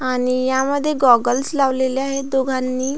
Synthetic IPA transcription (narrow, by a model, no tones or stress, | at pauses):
aɽ̃ijaməd̪ʱːjeɡɔɡəlslaʋleleaɦed̪oɡʱanːiː